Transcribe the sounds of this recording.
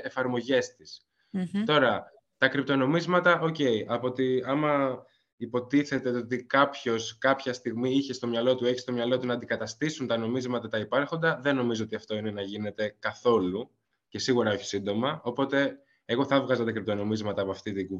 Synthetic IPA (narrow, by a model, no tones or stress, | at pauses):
efɐɾmo̞ʝe̞st̪is | t̪o̞ɾɐ | t̪ɐkɾip̚t̪o̞no̞mizmɐt̪ɐʔo̞ce̞iʔɐpo̞t̪iɐmɐ | ipo̞t̪iθe̞t̪e̞ot̪ikɐpço̞skɐpçɐst̪iɣmiiçe̞st̪o̞mɲɐlo̞t̪ue̞çi̥st̪o̞mɲɐlo̞t̪unɐːnd̪ikɐt̪ɐst̪isunt̪ɐno̞mizmɐt̪ɐt̪ɐipɐɾxo̞nd̪ɐðe̞no̞mizo̞o̞t̪iɐft̪o̞ine̞nɐʝine̞t̪e̞kɐθo̞lu | ce̞siɣuɾɐo̞çi̥sind̪o̞mɐo̞po̞t̪e̞ | eɣo̞θɐvɣɐzɐt̪ɐkɾip̚t̪o̞no̞mizmɐt̪ɐːpoɐft̪it̪iɡu